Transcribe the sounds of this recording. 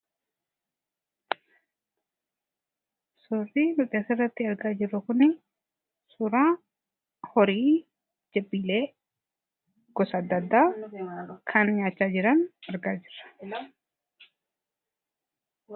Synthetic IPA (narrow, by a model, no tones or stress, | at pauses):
sʊriːnʊkʼeːsɐɪrːɐt̪ːɪɐɾɡaːd͡ʒɪrːɐkʊnɪ | sʊɾaː | hɔɾiː | d͡ʒɛbiːleː | ɡ̥ɔsɐd̪ːɐd̪ːaː | kʰɐnɲaːt͡ʃːaːd͡ʒɪɾɐnɐɾɡaːd͡ʒɪrːɐ̥